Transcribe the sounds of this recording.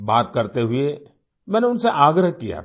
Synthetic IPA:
baːt̪kɐɾt̪eɦʊe | mɛ̃ːneʊnseʔaːɡɾəɦkija̰

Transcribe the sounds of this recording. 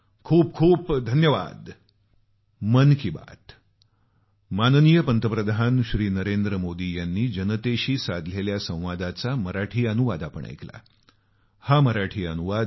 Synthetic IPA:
kʰuːp̚kʰuːpd̪ʱənjəʋa̰d̪ | mənkiba̰t̪ | mannijəpənt̪əpɾəd̪ʱanɕɾiːnəɾend̪ɾəmod̪iːjanːiːd͡ʑənət̪eɕiːsad̪ʱleljasə̃w̃ʋad̪at͡saməɾaʈʰiːənuʋad̪apəɳʔa̰jkla̰ | haməɾaʈʰiːənuʋad̪

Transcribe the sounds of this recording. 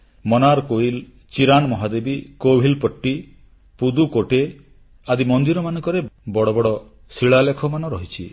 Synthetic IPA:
mɔnaɾkoil | t͡ʃiɾanɔmɔɦad̪ebikoɦilpɔʈːi | pud̪ukoʈe | ad̪imɔnd̪iɾɔmanɔŋkɔɾebɔɽɔbɔɽɔ | siɭalekʰɔmanɔɾɔɦit͡ʃʰḭ

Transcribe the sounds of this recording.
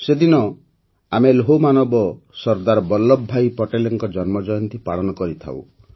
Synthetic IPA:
sed̪inɔ | ameloɦomanɔbɔsɔɾd̪aɾɔbɔlːɔbʱːajpɔʈeleŋkɔd͡ʒɔnmɔd͡ʒɔjɔnt̪ipaɭɔnɔkɔɾit̪ʰa̰w̰

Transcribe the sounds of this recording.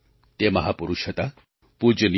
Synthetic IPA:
t̪emɐɦapuɾuʃət̪a | pud͡ʒəni

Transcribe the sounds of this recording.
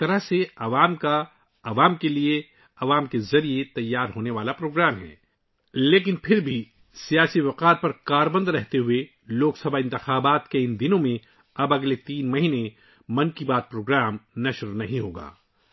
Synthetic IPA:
t̪ɐɾəɦseɐʋaːmka | ɐʋaːmkelie | ɐʋaːmkezɐɾiet̪ɐjːaːɾɦoːneʋaːlapɾoːɡɾaːmɦɛ̰ː | leːk̬ɪnpʰɪɾbʱi | sijaːsiʋɐqaːt̪̚pɐɾkaːɾbə̃nd̪ɾɛɦt̪eɦʊe | loːksɐbʱaɪ̃nt̪ɪxaːbaːt̪keɪ̃nd̪ɪnõmẽ | ɐbɐɡlet̪iːnmɐɦine | mɐ̃nkibaːt̪̚pɾoːɡɾaːmnɐʃɾnɐɦĩɦoːɡa̰ː

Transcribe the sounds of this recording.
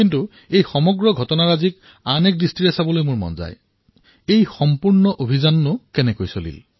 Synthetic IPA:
kintu | ejxɔmɔɡɹɔɡʱɔtɔnaɹazik | anek̚distiɹɛsabɔlojmʊɹmɔ̰nza̰j | ejxɔmpuɹnɔʔobʱizanːʊkɛnɛkojsolḭl

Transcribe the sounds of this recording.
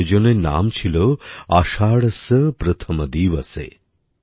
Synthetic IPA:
d͡ʒɔnena̰ːmt͡ʃʰiloaʃaːɽɐsəpɾət̪ʰɐməd̪iːʋɐsḛ

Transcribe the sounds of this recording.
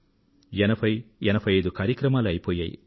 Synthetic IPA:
jɛnɐpɐjɛnɐpɐjid̪ukaːɾjɐkɾɐmaːlɐjpoːja̰ːjḭ

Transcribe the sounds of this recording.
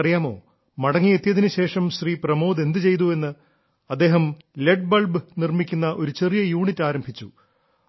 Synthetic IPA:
rijaːmo̞̰ː | mɐɽɐŋːijet̪ːjɐðinɨɕe̞ːʂɐmɕriːprɐmoːd̪e̞nd̪ɨt͡ɕe̞jt̪̬ue̞nːɨ | ɐd̪ːe̞ːɦɐm | leʈ̚bɐɭbɨnirmikʲːunːɐʔo̞ɾut͡ɕe̞rijɐjuːɳitːaːɾɐmbʱit͡ɕːu

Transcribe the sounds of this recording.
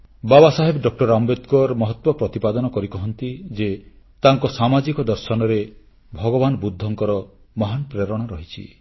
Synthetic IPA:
babasaɦebɖɔk̚ʈɔɾambet̪kɔɾmɔɦɔt̪wɔpɾɔt̪ipad̪ɔnɔkɔɾikɔɦɔnt̪id͡ʒe | t̪aŋkɔsamad͡ʒikɔd̪ɔɾsɔnɔɾe | bʱɔɡɔbanɔbud̪ʱːɔŋkɔɾɔ | mɔɦanpɾeɾɔɽ̃ɔɾɔɦit͡ʃʰḭ

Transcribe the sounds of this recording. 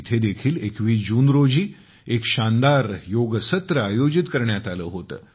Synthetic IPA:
t̪ʰed̪ekʰiːlekʋiːd͡ʑuːnɾod͡ʑiː | ekɕand̪aɾjoɡəsət̪ɾəajod͡ʑit̪kəɾɳjat̪alə̰ːɦot̪ə̰ː

